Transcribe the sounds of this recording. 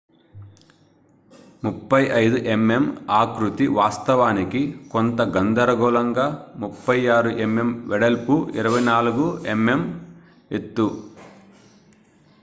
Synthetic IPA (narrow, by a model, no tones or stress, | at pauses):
mupːɐjɐjd̪uʔeme̞maːkɾut̪iʋaːst̪ɐʋaːnikikont̪ɐɡɐnd̪ɐɾɐɡɔːlɐŋɡaːmupːɐjaːɾuʔeme̞mʋɛɽɐlpuʔḭɾɐʋɐjnaːluɡueme̞m | et̪ːu